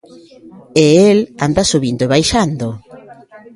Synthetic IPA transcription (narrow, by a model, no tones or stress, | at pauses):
eeland̪asuβind̪oeβajʃand̪o